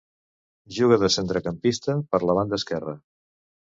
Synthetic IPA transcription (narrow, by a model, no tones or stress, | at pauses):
ʒuɣəðəsent̪ɾəkəmpist̪əpəɾləβ̞and̪əskɛrə